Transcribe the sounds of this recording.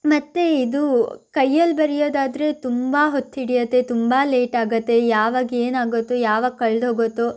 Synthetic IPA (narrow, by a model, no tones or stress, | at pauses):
mɐt̪ːeid̪ukɐjːɐlbɐɾijoːd̪aːd̪ɾe̞t̪umbaɦot̪ːiɽijɐt̪ːe̞t̪umbaːle̞ːʈaːɡɐt̪ːe̞jaːʋaːɡeːnaːɡot̪ːujaːʋaːɡkːɐɭd̪oːɡot̪ːu